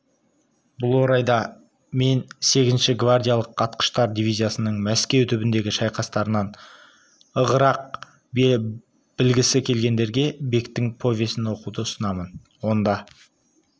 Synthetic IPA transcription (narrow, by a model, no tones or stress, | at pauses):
bʊlˠwo̞ɾɑjd̪ɑ | me̞nse̞ɡʲɪzɪnʃɪɡvard̪ʲijalˠəqːʰɑt̪qə̥ʃt̪ɑɾd̪ivʲijzʲijasənəɴmæskʲe̞wt̪ʰʏbɪnd̪e̞ɡʲɪʃɑjqɑst̪ɑɾənɑn | əʁəɾɑq̚ | b | b̥ɪlɡʲɪsɪkʲʰe̞lɡʲe̞nd̪e̞ɾɡʲe̞be̞kt̪ɪŋpʰo̞vʲe̞sɪnwo̞qud̪əʊsənɑmən | wo̞nd̪ɑ